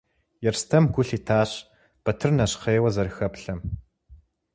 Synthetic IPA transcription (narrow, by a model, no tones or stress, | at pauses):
jɛrstʰɐmɡʷʊɬiːtʰaːɕ | b̥ɐtʰɨrnɐɕqeːwɐzɐrxɐpɬɐm